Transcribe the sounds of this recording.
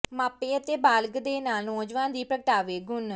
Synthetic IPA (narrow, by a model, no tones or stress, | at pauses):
maːpeːət̪eːbaːlɡd̪eːnaːlõːd͡ʒʋãːd̪iːpɾəɡəʈaːʋeːɡʊn